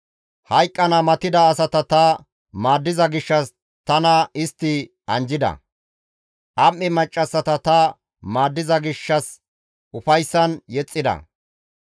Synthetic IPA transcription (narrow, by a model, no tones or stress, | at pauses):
hɐjkʼːɐnɐmɐt̪ɪd̪ɐːsɐt̪ɐt̪ɐ | maːd̪ːɪzɐɡɪʃːɐs | t̪ɐnɐɪst̪ːɪ | ʔɐnd͡ʒɪd̪ɐ̰ | ʔɐmːɪmɐt͡ʃʼːɐsːɐt̪ɐt̪ɐ | maːd̪ːɪzɐɡɪʃːɐs | ʔʊfɐjsːɐnjɛt͡sʼːɪd̪ɐ̰